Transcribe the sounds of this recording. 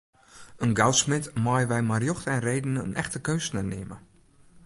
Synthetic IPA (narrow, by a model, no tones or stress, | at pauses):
ənɡalsmɪtmajəʋɛjmarjɔxtəɛnrejdənəə̰nʔɛxtəkøːsnənḛmə̰